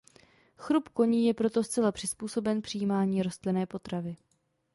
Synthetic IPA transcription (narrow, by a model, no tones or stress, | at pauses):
xɾupko̞ɲiːjɛpɾo̞t̪o̞st͡sɛlapr̝̥ɪspuːso̞bɛnpr̥ɪjiːmaːɲiːɾo̞st̪lɪnɛːpo̞t̪ɾavɪ